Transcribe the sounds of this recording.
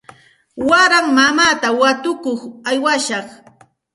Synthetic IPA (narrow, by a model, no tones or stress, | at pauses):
waɾaŋmamaːt̪awat̪ʊkoχajwaʃɑχ